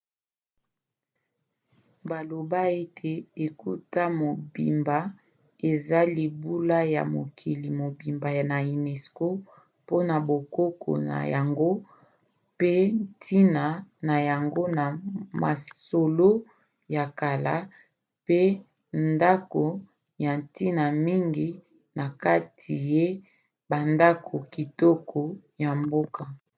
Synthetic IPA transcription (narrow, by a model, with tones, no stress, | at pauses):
ba˨lo˨ba˦e˦tʰe˨e˨ku˦ta˦mo˨bi˨mba˦ | e˨za˦li˨bu˦la˦ja̰˨mo̰˨kʰi˨li˨mo˨bi˨mba˨na˨u˨nɛ˨sko˦ | po˦na˨bo˨ko˦kʰo̰˨na̰˨ja˨ŋɡo˦ | pe˦n˦tʰi˦na˨na˨ja˨ŋɡo˦na˨ma̰˨so˨lo˦ | ja˨ka˨la˦ | pe˦ | nnda˦ko˨ | ja˨nti˦na˨mi˦ŋɡi˨ | na˨ka˦tʰi˨je˦ | ba˨nda˦kʰo˨ki˨tɔ˦kʰo˨ | ja˨mbo˦ka˨